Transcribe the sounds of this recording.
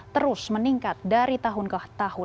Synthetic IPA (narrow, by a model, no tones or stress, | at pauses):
t̪əɾʊsməniŋkat̪̚daɾit̪aɦʊnkaht̪ahʊ